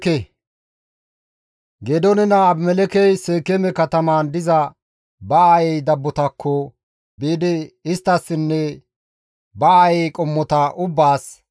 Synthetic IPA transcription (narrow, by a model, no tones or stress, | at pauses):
ɛ | ɡed̪ɔnɛnɐːbmɛlɛkɛjseːkɛmɛkɐt̪ɐmaːnd̪ɪzɐ | bɐaːjɛjd̪ɐbːɔt̪ɐkʰːɔ | biːd̪ɪɪst̪ːɐsːɪnːɛ | bɐajɛjkʼɔmːɔt̪ɐʔʊbːaːs